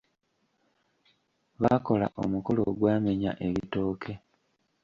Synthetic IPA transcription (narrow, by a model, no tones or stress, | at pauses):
βako̞la̰ʔo̰muko̞lo̰ɡwaːme̞ɲa̰ʔe̞βito̞ːkʰe̞